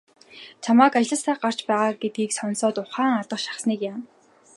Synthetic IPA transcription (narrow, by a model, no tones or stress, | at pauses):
t͡ɕʰamaːkaɮə̆saːɢar̥t͡ɕpæːʁaːɡet̪̚ɡiːksɔnsɔːt̪ʊχæːŋat̪ə̆χʃḁχsniːkjam